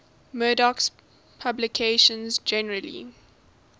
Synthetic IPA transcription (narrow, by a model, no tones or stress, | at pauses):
mɜːdɔks | pʰablɪkʰeʃə̃nzd͡ʒɛnəɹəlḭ